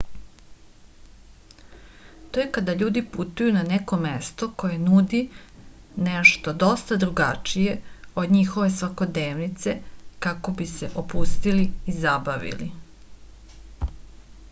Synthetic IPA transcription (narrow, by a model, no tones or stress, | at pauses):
t̪ojekad̪aʎuːd̪iput̪ujunaneko̞mest̪o̞ko̞je̞nud̪i | neʃt̪o̞d̪o̞st̪ad̪ɾuɡat͡ʃije̞o̞d̪ɲixo̞ʋe̞sʋako̞d̪neːʋnit̪se̞kako̞biseʔopust̪iliizabaʋḭlḭ